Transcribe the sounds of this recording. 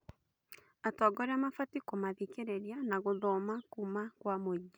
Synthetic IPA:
atɔɡɔɾeamafatikomaðikeɾeɾianaɣoðɔmakumakwamoɟa

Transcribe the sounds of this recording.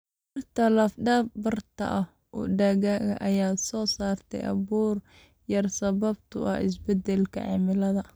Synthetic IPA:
bɐrt̪ʰɐlɐfɖaːb̚bɐrt̪ʰɐ̰ʔɐh | ʔɔ̰ɖaɣaːɣɐ̰ʔɐjaːsɔːsaːrt̪ʰɛ̰jʔɐ̰βuːr | jɐrsɐβɐbt̪ʰʊ̰ʔɐ̰hɪ̰s̬bɛd̪ɛlkʰɐ̰ʕɑ̰ːmɪlɐðɐ

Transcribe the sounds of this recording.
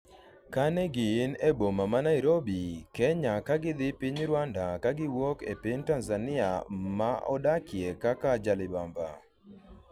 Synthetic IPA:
kanɛɡɪːnebomamanaiɾobikɛɲakaɡɪd̪ɪpɪɲɾwandakaɡɪwokepintanzanɪa̰maʔɔ̰dakjekakad͡ʒalɪbamba̰

